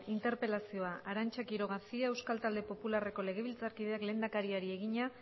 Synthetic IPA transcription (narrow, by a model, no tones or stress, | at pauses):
int̪e̞ɾpe̞lasio̞aaɾant͡ʃakiɾo̞ɣ̞asiae̞wskalt̪ald̪e̞po̞pulare̞ko̞le̞ɣ̞e̞β̞ilt͡saɾkið̞e̞akle̞ːnd̪akaɾiaɾie̞ɣ̞iɲa